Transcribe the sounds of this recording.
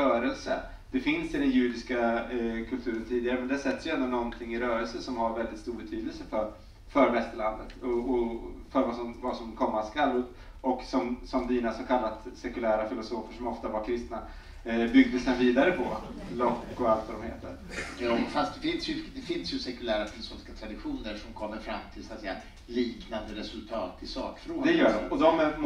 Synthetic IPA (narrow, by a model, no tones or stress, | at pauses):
œːɾəlsə̰ | d̪̥ɛfɪnsɪd̪ɛnjʉ̟ːd̪ɪskakʰɵlt̪ʰʉːɾənt̪ʰiːd̪ɪɡaɾəmɛnd̪ɛhæsɛt̪ːəsjɵɛnd̪ʊnɔnt̪ʰɪŋːɪɾœːɾəlsəsɔmhaɾvɛld̪ɪt̪st̪uːɾbɛt̪ʰyːd̪əlsəfœɾ | fœɾvɛst̪əɭand̪ət̪ɔɔfœɾvasɔmvasɔmkʰɔmːaskalːɵpː | ɔksɔmsɔmd̪iːnasɔmkʰalːat̪sɛkɵlæːɾafɪlʊsoːfəʂɔmɔft̪avakʰɾɪst̪na | bʏɡ̚d̪əsd̪ɛnviːd̪aɾəpʰɔlɔkːɔalt̪vad̪ɔmhḛːt̪ə̰ɾ | jfast̪̚d̪ɛfɪnsjɵd̪ɛfɪnsjɵsɛkɵlæːɾafɪlʊsoːfɪ̥skat̪ʰɾad̪ɪɧuːnəɾʂɔmkʰɔmːəɾfɾamːt̪ʰɪlsat̪sɛjːa | liːknand̪əɾɛsɵlt̪ʰɑːt̪ʰɪsɑ̰ːkfɾod̪ɛjœːɖɔmɔd̪ɔm